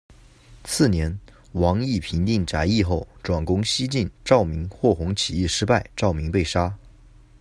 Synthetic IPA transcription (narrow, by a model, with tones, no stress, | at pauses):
t͡sʰɹ̩˥˩njɛ˧˥n | wɑ˧˥ŋi˥˩pʰi˧˥nt̪i˥˩ŋʈ͡ʂa˧˥ɪi˥˧xo˥˩ʊʈ͡ʂwa˨˩nkʊ˥ŋɕi˥t͡ɕi˥˧nʈ͡ʂɑ˥˩ʊmi˧˥ŋxwɔ˥˩xʊ˧˥ŋt͡ɕʰi˨˩ji˥˩ʂɻ̩˥pa˥˧ɪʈ͡ʂɑ˥˩ʊmi˧˥ŋpe˥˩ɪʂa˥